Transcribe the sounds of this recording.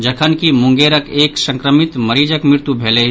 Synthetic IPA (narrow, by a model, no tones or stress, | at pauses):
d͡ʒɐkʰənkimʊ̃ŋɡeːɾəkeːksə̃ŋkɾəmɪt̪məɾiːd͡ʒəkmɪɾt̪ubʱeːle